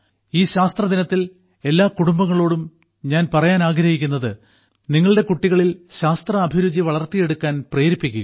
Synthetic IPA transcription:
iːɕaːst̪rɐd̪inɐt̪ːil | e̞lːaːkuɽumbɐŋːɐɭo̞ːɽum | ɲaːnpɐrɐjaːnaːɡɾɐhikʲːunːɐðɨ | niŋːɐɭɨɽe̞kuʈːiɣɐɭilɕaːst̪rɐːbʱiɾud͡ʑiʋɐɭɐrt̪ːije̞ɽukːaːnpreːɾipːikʲːṵ

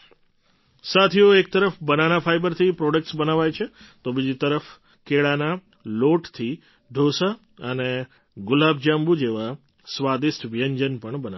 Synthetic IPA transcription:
sat̪ʰioek̚t̪əɾəfbənanafʰajbəɾt̪ʰipɾɔɖək̚ʈsbənaʋajt͡ʃʰet̪obid͡ʒit̪əɾəf | keɭana | loʈt̪ʰi | ɖʱosa | əne | ɡʊlab̚d͡ʒambud͡ʒeʋa | sʋad̪isʈʋijəɲd͡ʒənpəɳbəna

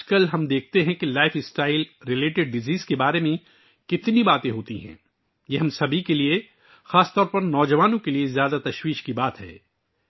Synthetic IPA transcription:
d͡ʒkɐlɦɐmd̪eːk̚ʰt̪eɦɛ̃kilaːɪfɪsʈaːɪlɾɪleːʈɪɖ̚ɖɪziːzkebaːɾemẽ | kɪt̪nibaːt̪ẽɦoːt̪iɦɛ̰̃ː | jeɦɐmsɐbʱikelie | xaːst̪ɔːɾpɐɾnɔːd͡ʒɐʋaːnõkeliezjaːd̪at̪ɐʃwiːʃkibaːt̪ɦɛ̰ː

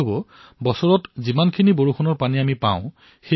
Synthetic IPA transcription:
bɔ | bɔsɔɹɔtzimankʰiniboɹukʰɔnɔɹpaniamipã̰ʊ̃ | xe

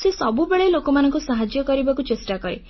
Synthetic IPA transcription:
sesɔbubeɭelokɔmanɔ̃ŋkusaɦad͡ʒjɔkɔɾibakut͡ʃesʈakɔɾe

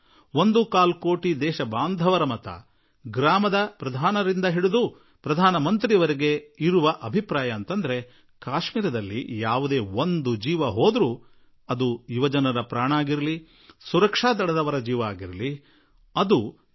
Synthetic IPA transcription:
ond̪ukaːlko̞ːʈid̪ɛːʃɐbaːnd̪ʱɐʋɐɾɐmɐt̪ʰɐ̰ | ɡɾaːmɐd̪ɐpɾɐd̪ʱaːnɐɾind̪ɐɦiɽud̪u | pɾɐd̪ʱaːnɐmɐnt̪ɾiɐʋɐɾeɡe̞iɾuʋɐʔɐbʱipɾaːjɐːnt̪ɐnd̪ɐɾe̞ | kaːʃmiːɾɐd̪ɐlːḭjaːʋud̪e̞ːond̪ud͡ʒiːʋɐɦoːd̪ɾu | ɐd̪uiʋɐd͡ʒɐnɐɾɐpɾaːɳaːɡiɾɐli | suɾɐkʂaːd̪ɐɽɐd̪ɐʋɐɾɐd͡ʒiːʋɐaːɡiɾɐli | ɐd̪u

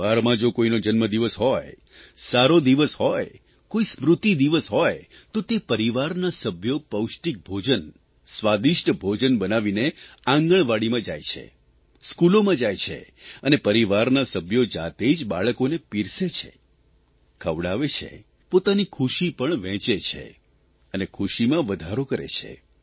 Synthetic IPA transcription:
aɾmãd͡ʒokoinod͡ʒənməd̪iʋəsɦɔj | saɾod̪iʋəsɦɔj | koismɾut̪id̪iʋəsɦɔjt̪ot̪epəɾiʋaɾnasəbʱjopəwʃʈik̚bʱod͡ʒən | sʋad̪iʃʈəbʱod͡ʒənbənaʋineãŋɡəɳ̃ʋaɽimãd͡ʒa̰jt͡ʃʰḛ | skulomãd͡ʒajt͡ʃʰḛ | ənepəɾiʋaɾnasəbʱjod͡ʒa̰t̪ed͡ʒbaɭəkonepiɾset͡ʃʰḛ | kʰəʋɽaʋet͡ʃʰḛ | pot̪anikʰuʃipəɳ̃ʋɛ̃t͡ʃet͡ʃʰḛ | ənekʰuʃimãʋəd̪ʱaɾokəɾḛt͡ʃʰḛ

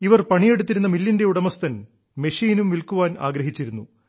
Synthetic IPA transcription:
iʋɐrpɐɳije̞ɽut̪ːiɾunːɐmilːinde̞uɽɐmɐst̪ɐn | me̞ʂiːnumʋilkuʋaːna̰ːɡɾɐɦit͡ɕːiɾunːu

